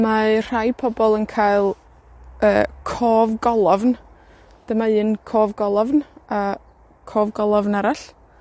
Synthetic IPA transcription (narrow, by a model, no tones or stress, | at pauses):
mar̥ajpʰɔbɔlˠənkʰaːɨlˠ | əːkʰɔːvɡɔlˠɔvn | d̥əmaɨnkʰoːvɡɔlˠɔvna | kʰoːvɡɔlˠɔvnaɾaɬ